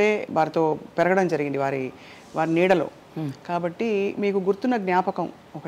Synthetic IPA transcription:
e̞ːʋaːɾit̪o̞ːpɛɾɐɡɐɽɐmd͡ʒɐɾiɡiɳɖiʋaːɾi | ʋaːɾiniːɽɐlo̞̰ː | kaːbɐʈːimiːkuɡuɾt̪unːɐɡnjaːpɐkɐm | ɔkɐ

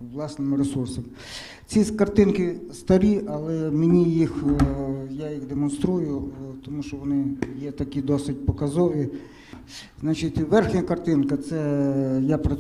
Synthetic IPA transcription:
ʋlˠɑsnɪmɪɾesursɐmɪ | t͡sʲikɐrt̪ɪnkɪst̪ɐɾʲiʔɐlˠɛmenʲijix | jajixd̪emɔnst̪ɾujʊt̪ɔmuʃt͡ʃɔʋɔnɪjɛt̪ɐkʲid̪ɔsɪt̚ʲpɔkɐzɔʋʲi | znat͡ʃɪtʲʋɛrxnʲɐkɐrt̪ɪnkɐt̪sɛjapɾɐ

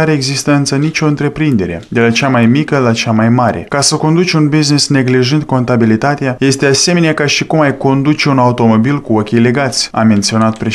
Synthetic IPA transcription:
aɾeːɡzist̪əɨnt̪sənit͡ʃʲo̞ɨnt̪ɾe̞pɾind̪e̞ɾe̞̰d̪e̞lat͡ʃamajmikəlat͡ʃamajmaɾe̞̰kasəko̞nd̪ut͡ʃunbiznisne̞ɡliʒɨnd̪̚ko̞nt̪abilit̪at̪eaje̞st̪e̞ase̞meneakaʃikumajko̞nd̪ut͡ʃeunaut̪o̞mo̞bilkuokʲijle̞ɡat̪sʲa̰me̞nt̪sio̞nat̪̚pɾe̞

